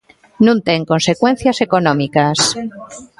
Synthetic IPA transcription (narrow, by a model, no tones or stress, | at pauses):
nũnt̪eŋko̞nsekwẽ̞n̟θjasekonõmikas